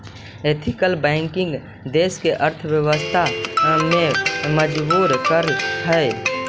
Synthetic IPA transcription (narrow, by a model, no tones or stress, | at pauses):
et̪ʰɪkəlbɛ̃ːŋkɪ̃ŋɡ | d̪eːskeʔəɾt̪ʰʋjəwəst̪ʰamẽməd͡ʒbuːɾkəɾɦəe